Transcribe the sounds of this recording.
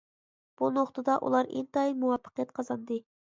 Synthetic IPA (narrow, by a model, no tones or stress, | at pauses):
b̥unoχt̪ʰɨd̪ɑʔṵlˠɑɾḭnt̪ɑjmuwɑpʰːə̥qʰjɛt̪̚qʰɑzɑnd̪ɨ